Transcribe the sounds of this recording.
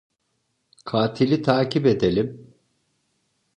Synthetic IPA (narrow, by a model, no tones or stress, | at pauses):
kʰaːt̪ʰilʲit̪ʰaːciped̪elʲim